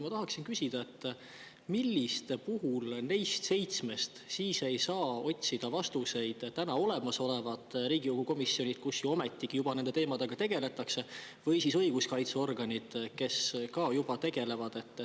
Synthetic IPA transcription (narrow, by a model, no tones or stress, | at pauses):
mɑt̪ɑɦɑksinkysʲid̪̥ɑe̞t̪ː | milʲːist̪puɦulne̞jst̪se̞jt̪sme̞st̪siːse̞jsɑːo̞t̪ʲsid̪̥ɑvɑst̪use̞jd̪̥t̪ːænɑo̞le̞mɑso̞le̞vɑd̪̥ɾiːɡ̥ikuɡ̥uko̞misːio̞nʲid̪̥̚kusjuo̞me̞t̪ːikijub̥ɑne̞nd̪e̞t̪e̞ːmɑd̪̥e̞ɡ̥ɑt̪e̞ɡ̥e̞le̞t̪ːˑɑkse̞ | vɤjsisɤ̞jɡ̥uskɑjt̪seo̞rɡɑnʲid̪̥ke̞skɑːjub̥ɑt̪e̞ɡ̥e̞le̞vɑd̪̥e̞t̪ː